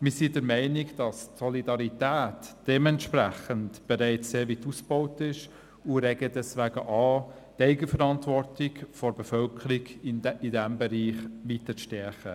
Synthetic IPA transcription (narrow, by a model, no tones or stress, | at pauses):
mɪsidəɾmɛɪnɪɡd̥ɑstsɔlidɑɾitæːtd̥ɛmɛntʃpræχəntb̥eɾæɪt͡sseːʋitusb̥oʊtɪʃ | uɾɛɡədɛsʋæːɡəʔɑː | tɛɪɡəfəɾɑntvɔrtɪkfɔɾbefœlkʰəɾiɡɪdɛmbɛɾiːχʋitət͡sʃtɛɾχə